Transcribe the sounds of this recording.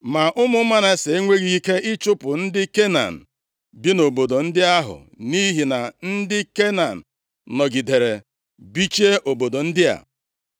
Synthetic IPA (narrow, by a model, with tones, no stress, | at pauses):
ma˨ʔʊ˦mʊ˦ma˦na˨˦se˨e˦ŋʷe˦ɡi˦i˦ke˦ɪ˦t͡ʃʊ˦pʊ˨n̩˦dɪ˦ke˦na̰˨n̩˨ | bi˦no˨bo˨do˨n̩˦dɪ˦a˦ɦʊ̰˨ | ni˦ɦi˨na˨n̩˦dɪ˦ke˦na˨n̩˨ | nɔ˨ɡi˨de˨ɾe˨ | bi˦t͡ʃe˦ʔo˨bo˨do˨n̩˦dɪ˦a̰˨